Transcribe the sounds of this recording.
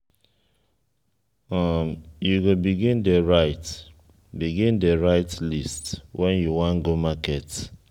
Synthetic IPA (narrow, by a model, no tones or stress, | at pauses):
amjuɡobiɡĩndeɹaɪt | biɡĩndeɹaɪtlistwʔɛ̃njuwãnɡomakɛt